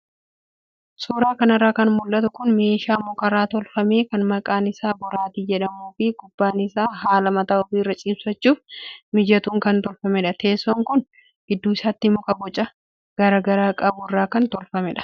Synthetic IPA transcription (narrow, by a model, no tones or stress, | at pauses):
suːɾaːkɐnɐrːaːkɐnmʊlːɐt̪ʊkʊnme̞ːʃaːmɔkɐɾaːt̪ɔlfɐme̞ːkɐnmɐkʼaːnɪsaːbɔɾaːt̪id͡ʒɛᶑɐmuːfɪɡ̥ʊbːaːnɪsaːɦaːlɐmɐt̪aːɔfiːrːɐt͡ʃʼiːbsɐt͡ʃːuːfmɪd͡ʒɐt̪uːŋkɐnt̪ɔlfɐmɛᶑɐt̪e̞ːsːɔŋkʊn | ɡ̥ɪd̪ːuːɪsaːt̪ːɪmːɔkɐbɔt͡ʃʼɐ | ɡ̥ɐɾaːɡɐɾaːkʼɐbʊɪrːaːkɐnt̪ɔlfɐmɛᶑɐ̥